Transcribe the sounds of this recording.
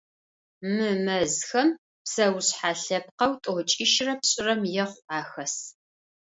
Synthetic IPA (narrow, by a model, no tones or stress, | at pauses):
mɨmɐzxɐm | psɐwɕħaːɬɐp̚qɐwtʼot͡ʃʼiʃrɐpɕʼɪrɐmjɛχʷaːxɐs